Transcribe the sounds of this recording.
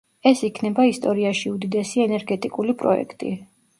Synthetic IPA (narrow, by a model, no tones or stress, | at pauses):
ɛsikʰnɛbaist̪ʼɔɾiaʃiud̪id̪ɛsiɛnɛɾɡɛt̪ʼikʼulipʼɾɔ̰ɛ̰kʰt̪ʼḭ